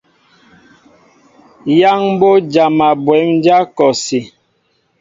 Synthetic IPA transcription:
ja˦ŋ˦bo˦d͡ʒa˨ma˨bwɛ˨˦m˦d͡ʒa˦kɔ˨si˨

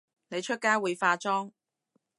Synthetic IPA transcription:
ne˨˧jt͡ʃʰɵ˥t̚kaː˥jwuː˨˧jfaː˧t͡sɔː˥ŋ

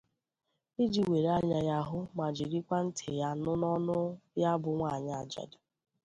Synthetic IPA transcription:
i˦d͡ʒi˨we˨ɾa˦ɲa˨ja˦ɦʊ˦ma˨d͡ʒi˨ɾi˦kʷa˦n̩˦tʰɪ˨ja˦nʊ˦nɔ˦nʊ˦ja˦bʊ˨ŋʷa˦˨ɲa˨a˨d͡ʒɔ̰˨dʊ˨

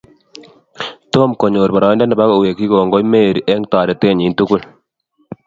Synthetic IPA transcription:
to˦mkɔ˨ɲoː˨ɾbɔ˨ɾɑ˨i˦nda˦ndɛ˨ba˦ko˨we˨ki˦ko˨ŋɡɔ˦jme˦˨ɾi˨ʔɛ˦ŋtaː˨ɾɛ˨te˦ɲi˨˦ntu˦ku˦l

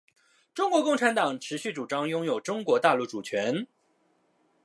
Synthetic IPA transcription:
ʈ͡ʂʊ˥ŋkwɔ˧˥kʊ˥˩ŋʈ͡ʂʰa˧˥nt̪ɑ˨˩ŋʈ͡ʂʰɻ̩˧˥ɕy˥˩ʈ͡ʂu˨˩ʈ͡ʂɑ˥ŋjʊ˥ŋjo˨˩ʊʈ͡ʂʊ˥ŋkwɔ˧˥t̪a˥˧lu˥˩ʈ͡ʂu˨˩t͡ɕʰɥɛ˧˥n

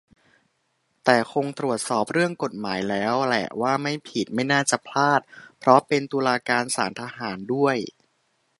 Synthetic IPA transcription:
t̪ɛː˨˩kʰo˧ŋt̪ɾu˨˩ət̪̚sɔː˨˩p̚ɾɯ˥˩əŋko˨˩t̪̚maː˩˦jlɛː˦˥wlɛ̰˨˩waː˥˩ma˥˩jpʰi˨˩t̪̚ma˥˩jnaː˥˩t͡ɕa˨˩pʰlaː˥˩t̪̚pʰɾɔ˦˥pe˧nt̪uː˧laː˧kaː˧nsa̰ː˩˦nt̪ʰa˧ɦaː˩˦ndu˥˩əj

